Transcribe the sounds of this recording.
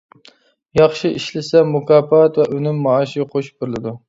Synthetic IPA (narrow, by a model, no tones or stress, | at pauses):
jɑχʃɪiʃlɪsɛmʊkʰɑːpɑt̪vɛʔønɪmːɑːʃɪqʰoʃbʊɾlɪd̪u